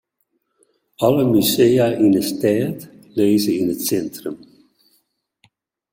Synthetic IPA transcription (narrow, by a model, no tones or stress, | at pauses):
ɑləmysejaʔinəstɛːt | leːzəinətsɛntrəm